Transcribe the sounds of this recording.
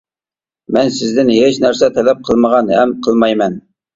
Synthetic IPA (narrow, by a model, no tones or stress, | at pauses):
mɛnsɪzd̪ɪnɦet͡ʃnæɾsɛt̪ʰɛlɛp̚qʰəlˠməʁɑnɦɛmqʰəlˠmɑjmɛn